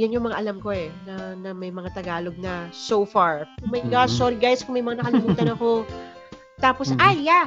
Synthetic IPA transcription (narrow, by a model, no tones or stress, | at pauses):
jʊnjʊŋmɐŋa̰ʔɐlamko̞ɛnɐnɐmɐjmɐŋat̪ɐɡaːlo̞ɡ̚nɐsowfaɹmɐjɡaʃsoɾiɡajskʊŋmɐjmɐŋanɐkɐlɪmuːt̪ɐnɐko̞ | t̪aːposajːa